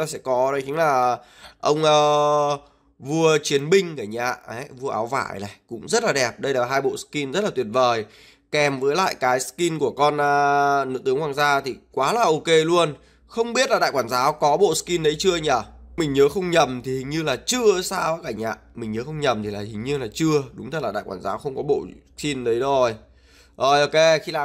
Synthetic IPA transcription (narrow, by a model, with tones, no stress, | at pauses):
aː˨˩sɛ̰˧˥kɔ˨˦ɗə˨˦t͡ɕï˨˦ŋ̟laː˨˩ | ʔə˧wŋ͡mʔəː˧ | vu˧ət͡ɕi˨˦ənɓï˧ŋ̟kaː˧˩ɲa̰ː˧˨ə˨˦vu˧əʔaː˨˦wva̰ː˧˩˨jla˨˩kʊ̰˧˥ŋ͡mzə˦˥t̚laː˨˩ɗɛ˨˩p̚ɗə˧jlaː˨˩ɦaː˧jɓo̰˧˨ski˧nzə˦˥t̚laː˨˩t̪wi˨˩ət̚vəː˨˩j | kɛ˨˩mvəː˨˦jla̰ː˧˨jkaː˨˦jski˧nku˧˩əkɔ˧nʔːnɨ̰˧˥t̪ɨ˨˦əŋhwaː˧ŋzaː˧t̪ʰi˨˩kwaː˨˦laː˨˩ʔo˧ke˧lu˧ən | xə˧wŋ͡mɓi˦˥ət̚laː˨˩ɗa̰ː˧˨jkwaː˧˩nzaː˨˦wkɔ˨˦ɓo̰˧˨ski˧nɗə˨˦jt͡ɕɨ˧əɲaː˧˩mï˨˩ŋ̟ɲəː˨˦xə˧wŋ͡mɲə˨˩mt̪ʰi˨˩hi̟˨˩ɲɨ˧laː˨˩t͡ɕɨ˧əsaː˧wkaː˧˩jʔa̰ː˧˨ʔmï˨˩ŋ̟ɲəː˨˦xə˧wŋ͡mɲə˨˩mt̪ʰi˨˩laː˨˩hï˨˩ŋ̟ɲɨ˧laː˨˩t͡ɕɨ˧əɗʊ˨˦ŋ͡mt̪ʰə˦˩tlaː˨˩ɗa̰ː˧˨jkwaː˧˩nzaː˨˦wxə˧wŋ͡mkɔ˨˦ɓo̰˧˨ski˧nɗə˨˦jzo˧˩j | ʔo˧˩jʔo˧ke˧xi˧laː˨